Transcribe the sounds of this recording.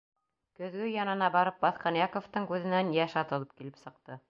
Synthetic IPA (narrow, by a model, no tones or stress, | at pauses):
kɵ̆ðɡɵjɑnɤ̆nɑbɑɾɤp̚bɑθqɑnjɑkoft̪ɤɴkʉðɘ̆nænjæʃɑt̪ɤ̆lˠɤp̚kilɘpsɤ̆q̚t̪ɤ